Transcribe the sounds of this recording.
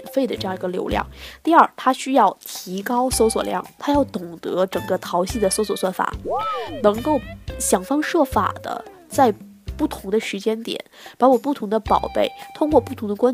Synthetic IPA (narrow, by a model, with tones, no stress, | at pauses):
nfe˥˩ɪd̪ə˩ʈ͡ʂɤ˥˧jɑ˥˩ŋi˧˥ɡə˧ljo˧˥ʊljɑ̰˥˩ŋt̪i˥˧ɐ˞˥˩t̪ʰa˥ɕy˥jɑ˥˩ʊt̪ʰi˧˥kɑ˥ʊso˥ʊswɔ˨˩ljɑ̰˥˩ŋt̪ʰa˥jɑ˥˩ʊt̪ʊ˨˩ŋt̪ɤ̰˧˥ʈ͡ʂɤ˨˩ŋɡə˦t̪ʰɑ˧˥ʊɕi˥˩d̪ə˩so˥ʊswɔ˨˩swnfa̰˨˩˦nɤ˧˥ŋko˥˩ʊɕjɑ˨˩ŋfɑ˥ŋʂɤ˥˩fa̰˨˩d̪̥ə̰˦ | t͡sa˥˧ɪ | pu˥˩t̪ʰʊ˧˥ŋd̪ə˧ʂɻ̩˧˥t͡ɕjɛ˥nt̪jɛ̰˨˩˦npa˧˥wɔ˨˩pu˥˩t̪ʰʊ˧˥ŋd̪ə˧pɑ˨˩ʊpe˥˩ɪt̪ʰʊ˥ŋkwɔ˥˧pu˥˩t̪ʰʊ˧˥ŋd̪ə˧kwa˥